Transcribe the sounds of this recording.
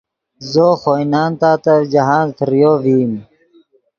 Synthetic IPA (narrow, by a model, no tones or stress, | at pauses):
zoːxoːjnaːnt̪aːt̪ɐɾd͡ʑɐɦaːnzt̪ʰɾjoːviːm